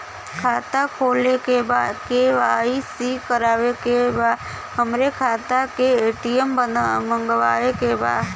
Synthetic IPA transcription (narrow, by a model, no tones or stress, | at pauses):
kʰaːt̪akʰoːlekebaːd̪keʋaːisikəɾaːʋekebaːd̪ | ɦəmɾekʰaːt̪akeeːʈijəməmə̃ŋɡʋaːekeba̰ːd̪